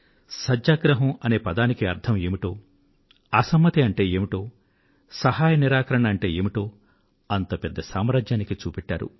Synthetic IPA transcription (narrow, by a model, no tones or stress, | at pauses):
sɐd͡ʒaːɡɾɐɦɐmɐne̞ːpɐd̪aːnikiɐɾt̪ʰɐmeːmiʈo̞ː | ɐsɐmːɐt̪iɐɳʈe̞ːeːmiʈo̞ː | sɐɦaːjɐniɾaːkɐɾɐɳɐːɳʈe̞ːeːmiʈo̞ː | ɐnt̪ɐpɛd̪ːɐsaːmɾaːd͡ʒjaːnikit͡ʃuːpɛʈːa̰ːɾṵ